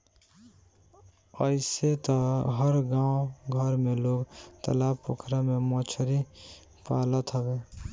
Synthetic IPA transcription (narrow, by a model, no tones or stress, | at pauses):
əɪset̪əɦəɾɡãːwɡʱəɾmeloɡt̪ə̰laːbpokʰɾamemɔt͡ʃʰɾi | paːlət̪ɦəbe